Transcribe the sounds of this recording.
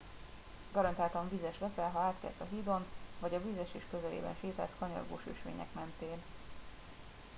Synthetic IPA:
ɡɒɾɒnt̪aːt̪ɒɱvizɛʃʋɛsɛlɦɒaːt̪kɛ̰sɒɦiːd̪o̞nvɒɟɒvizɛʃeːʃkø̞zɛlḛːbɛ̰nʃeːt̪a̰ːskɒɲɒ̰rɡo̰ːʃø̰ʃʋḛːɲɛ̰kmɛnt̪eːn

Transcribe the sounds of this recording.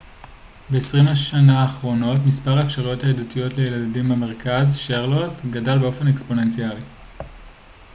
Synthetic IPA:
be̞ːsʁimaʃanaːχʁo̞no̞tmispaʁaefʃaʁujo̞thaedatijo̞tlejeladimemeʁ̞kazʃeʁlotɡadalbeo̞fe̞nekspo̞ne̞nt͡siali

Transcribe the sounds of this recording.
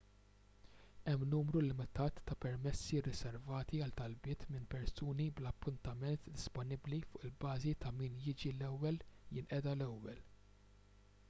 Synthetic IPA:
ɛmːnuːmɾulɪmɪt̪ɐːt̪ːɐpɛɾmɛsːirɪsɛɾvɐːt̪iɐlt̪ɐlbɪːt̪mɪnpɛɾsuːniblɐpːʊnt̪ɐmɛnt̪d̪ɪspɔnɪblifʊːʔɪlbɐːzit̪ɐmiːnjɪːd͡ʒilɛwːɛljɪnʔɛd̪ɐlɛwːɛl

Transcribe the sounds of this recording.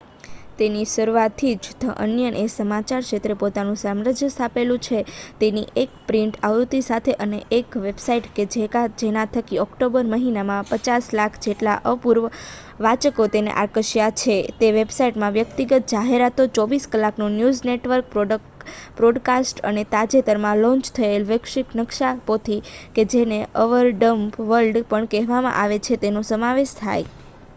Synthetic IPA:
t̪enisəɾuʋat̪ʰid͡ʒd͡ʒt̪ʰəʔə̰njənʔesəmat͡ʃaɾʃet̪ɾepot̪anũsamɾəd͡ʒjəst̪ʰapelũt͡ʃʰet̪enḭʔek̚pɾiɳʈaʋɾut̪isat̪ʰeʔəneʔekʋebsaiʈked͡ʒekad͡ʒenãt̪ʰəkiɔkʈobəɾməɦinamãpət͡ʃaslakʰd͡ʒeʈlaʔəpuɾʋə | ʋat͡ʃəkot̪enḛʔaɾkəʃijat͡ʃʰet̪eʋebsaiʈmãʋjəkt̪iɡət̪̚d͡ʒaɦeɾat̪ot͡ʃɔʋiskəlaknũnjuzneʈʋəɾk̚pɖ | pɾɔɖkasʈə̰net̪ad͡ʒet̪əɾmãlɔ̃nt͡ʃt̪ʰəelʋəkʃiknəkʃapot̪ʰiked͡ʒeneəʋəɾɖəmpʋəɾlɖpəɳkɛɦʋamã̰ʔaʋet͡ʃʰet̪enosəmaʋeʃt̪ʰa̰j

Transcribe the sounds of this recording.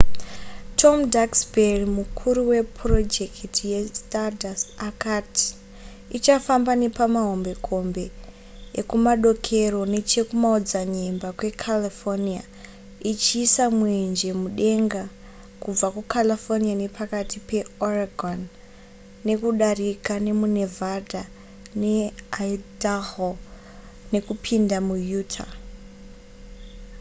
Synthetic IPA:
tʰo̞mdaksberimukʰuɾuwe̞pro̞d͡ʒe̞kʰtʰije̞stadasakati̥ | it͡ʃafambane̞pamaɦo̞mbe̞kʰo̞mbe̞ | ekumaɗo̞kʰe̞ro̞ne̞t͡ʃe̞kumaod͡zaɲe̞mbakwe̞kʰalifonia | it͡ʃiːsamwend͡ʒe̞muɗe̞ŋɡa | kub͡vakukalifoniane̞pʰakatipe̞oraɡʱonː | e̞kuɗarikane̞mune̞vada | ne̞aidaɦo | ne̞kupʰindamujuːtʰa

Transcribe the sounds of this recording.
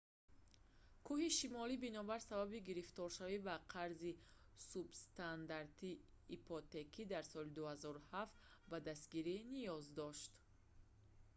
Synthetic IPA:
kʰuhiʃimɔlibinɔbaɾsababiɡiɾift̪ɔɾʃavibaqʰaɾzi | subst̪and̪aɾt̪ʰiː | pʰɔt̪e̞kʰid̪aɾsɔlid̪uhazɔɾuhaft̪ | bad̪ast̪ɡiɾinijɔzd̪ɔʃt̪

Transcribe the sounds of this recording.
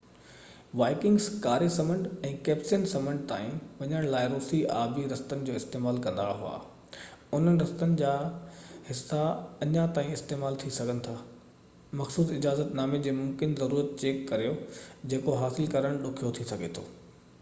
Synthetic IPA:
ʋaːɪkɪ̃ŋɡskaːɾesɐmə̃ɳɖɛ̃ːkɛːpsɪnsɐmə̃ɳɖ̚t̪a̰ːĩʋɐɲəɽ̃laːɪɾoːsia̰ːbiɾɐst̪ənɪ̆d͡ʑoːɪst̪eːmaːlkɐ̃nd̪aɦua̰ː | ʊn̤ənɪɾɐst̪ənɪ̆d͡ʑaːhɪsːaɐɲat̪aːĩɪst̪eːmaːlt̪ʰisɐɡʱənɪ̆t̪ʰaː | mɐxsuːsɪd͡ʑaːzət̪naːmed͡ʑeːmʊmkɪnzɐɾuːɾət̪̚t͡ɕeːkːɐɾijod͡ʑeːkoɦaːsɪlkɐɾəɽ̃ɗʊkʰijot̪ʰisɐɡʱet̪ʰo̰ː

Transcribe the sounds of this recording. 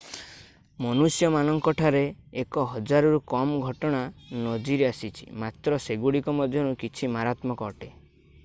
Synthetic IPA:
mɔnusjɔmanɔŋkɔʈʰaɾeːkɔɦɔd͡ʒaɾɔɾukɔmɔɡʱɔʈɔɽ̃anɔd͡ʒiɾeasit͡ʃʰḭmat̪ɾɔseɡuɽikɔmɔd̪ʱjɔñukit͡ʃʰimaɾat̪mɔkɔːʈe

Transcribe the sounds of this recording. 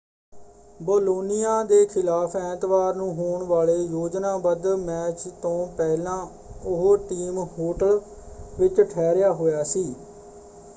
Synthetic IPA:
boːloːnɪjaːd̪eːkʰɪlaːpʰɛ̃ːt̪ʋaːɾnũːɦoːɳʋaːleːjoːd͡ʒnãːbəd̪mɛːt͡ʃt̪õːpɛːlãː | ʊɦʈiːmɦoːʈəl | ʋɪt͡ʃʈʰɛːɾɪjaːɦoːjaːsiː

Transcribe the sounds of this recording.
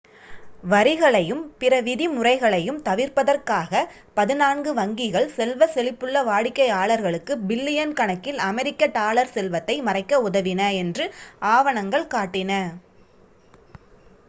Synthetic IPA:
ʋɐɾɪɣɐɭɐjɯmpɪrɐʋɪðimʊrɐɪɣɐɭɐjɯmt̪ɐʋɪɾpɐðɐrkaːɣɐ | pɐðɪnaːnɡɯʋɐŋɡɪɣɐɭsɛlʋɐsɛlɪpːɯɭːɐʋaːɽɪkːɐɪaːɭɐɾɣɐɭɯkːɯbɪlːɪjɐnkɐɳɐkːɪlɐmɛɾɪkːɐʈaːɭɐɾsɛlʋɐt̪ːɐɪmɐrɐɪkːɐʊðɐʋɪnɐɛndrɯaːʋɐɳɐŋɡɐɭkaːʈːɪnɐ

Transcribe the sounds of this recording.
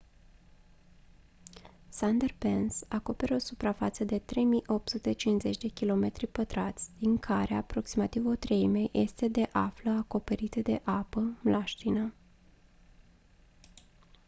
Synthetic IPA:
sand̪erpe̞nsako̞pe̞ɾo̞supɾafat̪səd̪e̞t̪ɾe̞jmiʔo̞p̚t̪sut̪e̞t͡ʃinze̞t͡ʃʲd̪e̞kʲilo̞me̞t̪ɾipət̪ɾat̪sʲd̪̥iŋkʰaɾeapɾo̞ksimat̪ivo̞t̪ɾe̞jmejʔe̞st̪e̞d̪e̞ʔafləako̞pe̞ɾit̪əd̪e̞ʔapəmlʔaʃt̪ina

